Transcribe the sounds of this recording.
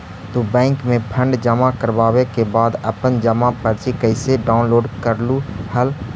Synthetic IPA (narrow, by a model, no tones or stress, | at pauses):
t̪ubɛ̃ːŋkmẽpʰə̃ɳɖd͡ʒəmakəɾbaːwekebaːd̪əpənd͡ʒəmapəɾt͡ʃikəɪseɖaːʊnloːɖkəɾluhəl